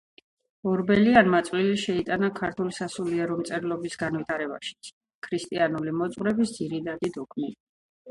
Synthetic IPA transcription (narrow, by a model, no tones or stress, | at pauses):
ɔɾbɛlianmat̪sʼvliliʃɛit̪ʼanakʰaɾt̪ʰulisasuliɛɾɔmt̪sʼɛɾlɔbisɡanvit̪ʰaɾɛba̰ʃi̥t̪sʰ | kʰɾist̪ʼianulimɔt̪sʼʁɾɛbisd̪z̥iɾid̪ad̪id̪ɔkʰmi